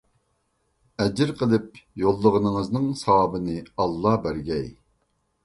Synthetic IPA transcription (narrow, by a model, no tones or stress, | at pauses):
ɛd͡ʒɪɾqʰəlˠɨp̚jolˠːəʁənɨŋəznɨŋsɑwɑːbɨnɨɑlˠːɑbæɾɡʲɛj